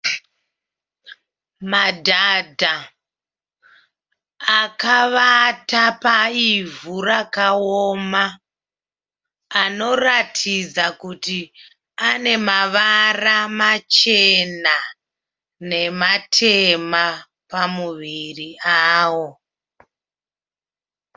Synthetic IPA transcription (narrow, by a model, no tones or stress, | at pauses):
madʱadʱa | kaʋatapaivuɾakaoma | no̞ratʰid͡zakuti | ane̞maʋaramat͡ʃe̞na | ne̞matʰema | pamuʋiriaːwo̞